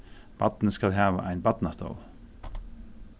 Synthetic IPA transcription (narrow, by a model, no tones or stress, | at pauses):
b̥ɑt̪n̩əskɑlɦæːʋə̰ʔæ̰ɪnbɑt̪n̩ɑst̪o̰ʊl